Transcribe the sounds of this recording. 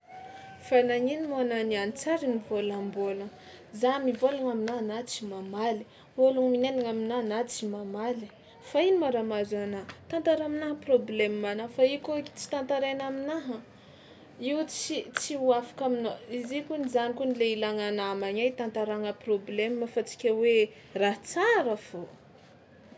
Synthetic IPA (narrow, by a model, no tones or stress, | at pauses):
fanaɲinimoananianit͡saɾinivolambolə | zamivolaŋaminanat͡simamali̥ | voluŋminenaŋaminanat͡simamali | fainimaɾamazanat̪ant̪aɾaminaɦəproblemmanafaikoki̥t͡si̥t̪ant̪aɾenaminaɦə | iwt͡sit͡siuafḁkaminoizikunizanikunileilaŋanamaɲajt̪ant̪aɾaŋəproblemːəfat͡si̥kʲawe | raɦt͡saɾəfo